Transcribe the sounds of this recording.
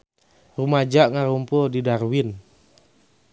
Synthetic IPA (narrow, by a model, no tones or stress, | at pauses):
rumad͡ʒaʔŋaɾumpudidarwin